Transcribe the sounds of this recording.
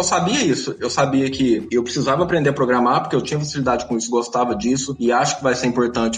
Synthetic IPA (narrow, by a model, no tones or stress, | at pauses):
ewsabiɐisʊewsabiɐkʰɪewpɾɪsizavɐːpɾẽnd̪eɐpɾoɡɾamaɾpoɾkeewt͡ʃĩɲɐfasilid̪ad͡ʒɪkõisʊɡost̪avɐd͡ʒisʊɪaʃʊ̥kɪvajseɾĩpoɾt̪ɐ̃nt͡ʃɪ